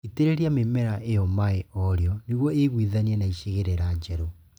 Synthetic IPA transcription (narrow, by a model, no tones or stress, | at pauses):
iteɾeɾiamemɛɾaʔejɔmaeɔɾeɔniɣwɔeɣwiðaniɛnaiʃeɣeɾeɾad͡ʒɛɾo